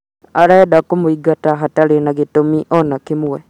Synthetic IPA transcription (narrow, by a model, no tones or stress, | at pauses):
aɾɛdakomoiɡataɦataɾenaɡetomiʔɔnakemuwɛ